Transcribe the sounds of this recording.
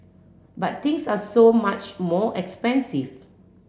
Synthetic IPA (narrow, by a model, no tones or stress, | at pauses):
bat̚t̪ĩŋsasomat͡ʃmɔʔɛkspɛ̃nsiv